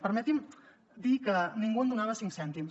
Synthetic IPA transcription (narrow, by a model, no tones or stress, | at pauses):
pəɾmɛt̪im | d̪ikəniŋɡuənd̪unaβəsiŋksɛnt̪im